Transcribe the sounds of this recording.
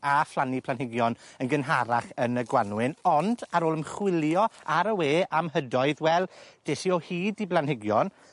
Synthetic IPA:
aflˠanipʰlanɦɪɡjɔnənɡənɦaɾaχənəɡwanwɪnɔnd̥aɾoːlˠəmχwɪlˠjɔaɾəweːʔamɦədɔɨðwɛlˠd̥eɬiɔhiːdiblˠanhɪɡjɔn

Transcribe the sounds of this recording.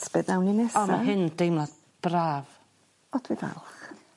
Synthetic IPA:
sbɛdnawninɛsɔmaɦɨnd̥ejmlˠa | b̥raːv | ɔd̥ʰwiva̰lˠχ

